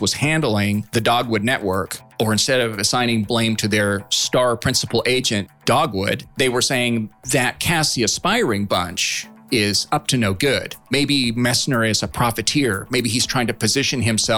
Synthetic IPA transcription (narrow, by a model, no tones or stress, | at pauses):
wʌz̥hæ̃ndˡl̩ˠɪ̃ŋðɨdɔɡwʊdⁿnɛʔwɜ˞k | ə˞ɨ̃nstɛɾʌvɨsãɪ̃ñɪ̃ŋblẽɪ̃mtʰɨðə˞stɑɹpʰɹ̥ɪ̃nsəpl̩ˠʔeɪd͡ʒɨ̃nd̥ɔɡwʊ̰d̪̚ðeɪwə˞seɪɪ̃ŋðɨt̚kʰæsiɨspaɪ˞ɪ̃ŋbʌ̃nt͡ʃ | ɪz̥ʌp̚tʰɨnoʊɡʊd̥meɪbimɛsnə˞ɪzəpʰɹ̥ɑfɨtʰɪɹmeɪbiiz̥tʰɹ̥aɪɪ̃ŋtʰɨpɨzɪʃɨ̃nɨ̃msɛ